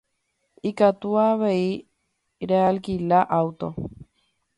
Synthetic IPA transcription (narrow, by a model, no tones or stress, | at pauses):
ikat̪uaβei | ɾealkilaʔawt̪o̰